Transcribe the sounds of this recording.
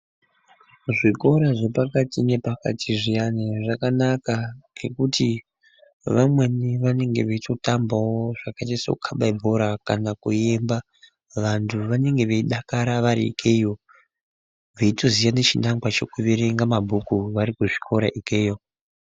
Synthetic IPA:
ʐiko̞ɾaʐe̞pakatine̞paka̰tʰiʐijaneʐakanakaɡe̞kuti | ʋamwe̞niʋane̞ŋɡe̞̰ʋeito̞tambawoʐ̥akat͡ʃeso̰ukʰaɓaibʱo̞ɾakanakue̞mba | ʋantʰuʋane̞ŋɡe̞ʋeiɗakaɾaʋaɾḭḭkʰejo | ʋeito̞zijane̞t͡ʃinaŋwat͡ʃe̞kuʋeɾeŋɡamabʱukuʋaɾikuʐikʰo̞ɾaʔikʰejo̞

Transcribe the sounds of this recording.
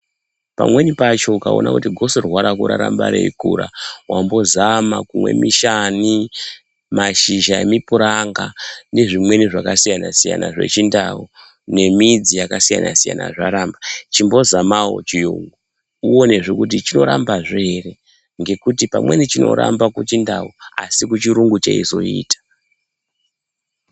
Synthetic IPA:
pa̰mwe̞nipat͡ʃo̞ukao̞̰nakutiɡʱo̞sorwaɾakuɾaɾamba̰ɾḛikuɾawʔambo̞zamakumwe̞̰miʃani | maʃiʒaemipuɾaŋɡane̞ʐimwe̞niʐakasijanasija̰na̰ʐe̞̰t͡ʃindao | ne̞mid͡zijakasija̰na̰sija̰na̰ʐaɾambat͡ʃimbo̞zamawo̞̰t͡ʃijuŋɡu | uo̞ne̞ʐekut̬it͡ʃino̞ɾambaʐeere̞ | ŋɡe̞kutipa̰mwe̞nit͡ʃino̞̰ɾa̰mbakut͡ʃindaua̰sikut͡ʃiɾuŋɡut͡ʃaizo̞̰iːtḁ

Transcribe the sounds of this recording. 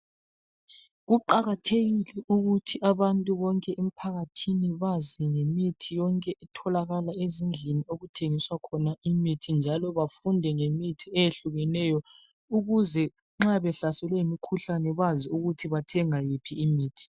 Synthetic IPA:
ɣuǃaɣatʰeɣilɛuɣutʰiʔaβantʼuβɔŋkʼɛʔemipʰaɣatʰiniβaziŋemitʰijɔŋkʼɛʔɛtʰɔlaɣalaezind͡ɮʱinioɣutʰeŋiswakʰɔnaimitʰind͡ʒʱalɔβafundʱɛŋemitʰiɛjeɬuɣɛnɛjɔ | uɣuzɛ | ŋ͡ǁaβɛɬasɛlwɛimikʰuɬanɛβaziuɣutʰiβatʰɛŋajipʰiːmiːtʰi̥

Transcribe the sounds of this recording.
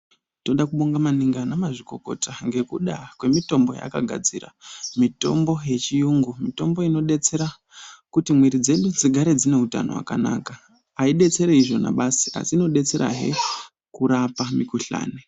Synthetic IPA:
to̞ɗakuɓoŋɡamaniŋɡanamaʐiko̞ko̞̰taŋɡe̞kuɗakwe̞mito̞mbo̞̰ja̰kaɡʱa̰d͡zira̰mito̞̰mbo̞je̞t͡ʃijuŋɡumito̞mbo̞ino̞ɗe̞t͡se̞ɾa | kutimwiɾid͡ze̞ɗud͡ziɡʱaɾe̞d͡zine̞uta̰no̞̰wa̰ka̰na̰ka | aiɗe̞t͡se̞ɾeiʐo̞na̰ɓasi̥a̰siːno̞ɗe̞t͡se̞ɾa̰ɦḛ | kuɾapamikuɬa̰ːne

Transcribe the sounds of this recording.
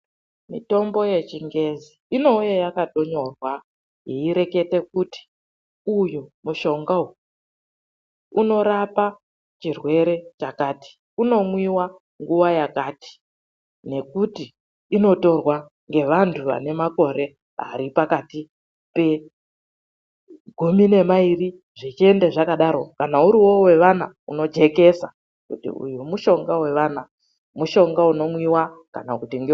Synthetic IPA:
mḭto̞mbo̞je̞t͡ʃiŋɡe̞zi | ino̞ujejakato̞ɲo̞rwa | ɦiiɾe̞ke̞te̞kuti̥ | ujumuʃo̞ŋɡau | uno̞ɾapa | t͡ʃirwe̞ɾe̞t͡ʃakaːti̥ | uno̞mwiwa | ŋɡuʋajakati̥ | ne̞kutiː | no̞to̞rwa | ŋɡe̞ʋantʰuʋa̰ne̞mako̞ɾe̞ | ɦa̰ɾipakati | pe̞ | ɡʱumine̞mairi | ʐit͡ʃie̞ndeʐakaɗaɾo̞kanauɾiwo̞we̞ʋana | uno̞d͡ʒe̞ke̞sa̰ | kutḭṵjumuʃo̞ŋɡawe̞ʋana | muʃo̞ŋɡauno̞mwiwaka̰nakutiŋɡe

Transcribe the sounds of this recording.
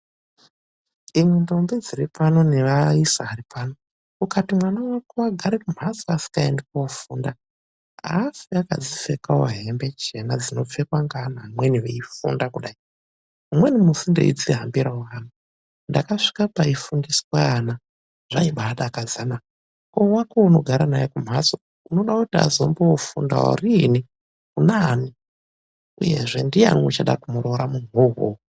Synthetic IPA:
imwendo̞mbid͡ziripano̞neʋaisaɦaripaːno | kukatimwanawakowaɡʱaɾekum̤asiasi̥kaḛndekaofuːnda | a̰siaka̰d͡zisekawo̰ɦe̞mbe̞t͡ʃe̞nad͡zino̞p͡fekwaŋɡanamweniweifṵndakuɗai | umwe̞nimusindḛḭd͡ziɦambiɾauɦaːma | ndakaʂi̥kapaifundiswana | ʐ̥aiɓaɗakazana | kowakouno̞ɡʱaɾanajekum̤aso | uno̞ɗakutia̰zo̞mboofunda̰wo̰rini | kunani | uje̞ʐe̞ndija̰ŋut͡ʃaɗa̰kumuɾo̞ɾamunuɦo̰

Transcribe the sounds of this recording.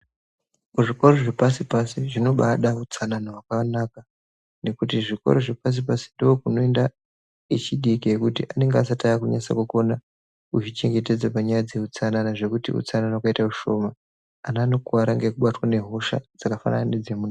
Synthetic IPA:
uʐiko̞ro̞ʐepasipasiʐino̞ɓaɗaut͡sananaɦwakaanaːka | ne̞kutiʐiko̞̰ɾo̞ʐepas̬ipasi̥ndookuno̞enda | it͡ʃiɗikijekutḭʔane̞ŋɡeasatajakuɲasa̰kuko̞na | ut͡ʃit͡ʃe̞ŋɡete̞d͡zapaɲajad͡ze̞ut͡sananaʐe̞kutḭṵt͡sananaakaitaruʃo̞maː | nano̞kuaɾaŋɡekuɓatwane̞ɦo̞ʃa̰d͡zakafa̰na̰naned͡zemun

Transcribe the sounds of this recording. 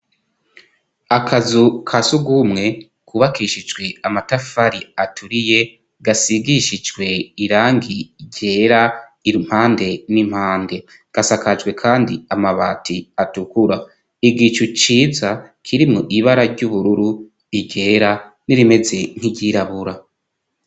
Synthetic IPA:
akʰazukʰasuɡumŋe̞ | kuβakiʃid͡ʒɡwe̞amatafaɾiatʰuɾije̞ | ɡasiɡiʃid͡ʒɡwe̞iɾaːŋɡiɟe̞ːɾaiɾim̥haːnde̞nim̥haːnde̞ | ɡ̥asakad͡ʒɡwe̞kʰaːndiamaβa̰ːtʰiatukuɾa | iɡit͡ʃut͡ʃiːzakʰiɾimŋuʔiβaɾaɾɟuβuɾuɾu | iɟe̞ːɾa | niɾime̞ze̞n̥hiɟiɾaβuɾa

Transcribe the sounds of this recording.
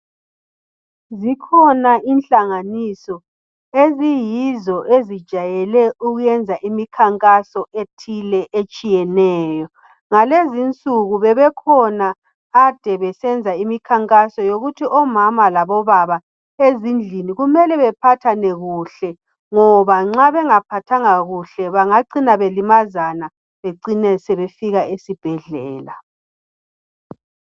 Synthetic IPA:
zikʰɔnaʔinɬaŋanisɔ | ezijizɔʔezid̥ʒ̥ʱajɛlɛuɣujɛnd͡zʱaʔimikʰaŋkʼasɔʔetʰilɛʔet͡ʃʼijɛnɛːjɔ | ŋalezint͡sʼuɣuβɛβɛkʰɔnaː | d̥ʱɛβɛsɛnd͡zʱaimikʰaŋkʼasɔjoɣutʰiʔɔmamalaβɔβaβa | ezind͡ɮʱiniɣumɛlɛβɛpʰatʰanɛɣuɬɛ | ŋɔβaŋ͡ǁaβɛŋapʰatʰaŋaɣuɬɛβaŋaǀinaβelimazana | βeǀinɛsɛβefiɣaesib̥ʱɛɮɛːla

